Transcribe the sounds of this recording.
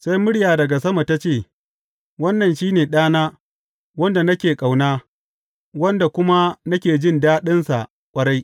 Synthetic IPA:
sa˦jmʊ˦ɽjaː˨dɐ˨ɡa˨sɐ˦ma˨ta˦t͡ʃeː˦˨ | wɐ˦nːɐ˨nʃiː˦neː˨ɗaː˦naː˦ | wɐ˦nda˨nɐ˦kʲeː˨kʼa˨wnaː˦ | wɐ˦nda˨kʷʊ˦ma˦nɐ˦kʲeː˨d͡ʒɪ˦ndaː˦ɗɪ˦nsa˨ʔ | kʷʼɐ˦ɽa˦j

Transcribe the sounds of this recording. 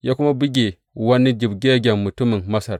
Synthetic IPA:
ja˦ku˦ma˦bi˦ɡʲe˨ | wa˦nːi˦d͡ʒi˨bɡʲe˦ɡʲa˨nmu˨tu˦mi˨nma˦sa˨ɾ

